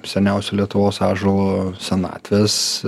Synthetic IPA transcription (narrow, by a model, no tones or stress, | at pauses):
sʲɛnʲɛˑʊsʲʊːlʲiɛt̪ʊʋoːsɑːʒolˠoːsʲɛnɑ̰ːt̪ʲʋʲeːs